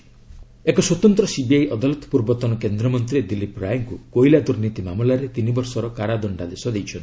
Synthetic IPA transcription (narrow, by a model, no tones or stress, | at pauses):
ekɔswɔt̪ɔnt̪ɾɔsibiajʔɔd̪alut̪ɔ̥puɾbɔt̪ɔnɔkend̪ɾɔmɔnt̪ɾid̪ilipɾajɔŋkukojlad̪uɾnit̪imamulaɾet̪inibɔɾsɔɾɔkaɽad̪ɔɳɖad̪esɔd̪ejt͡ʃʰɔnt̪i̥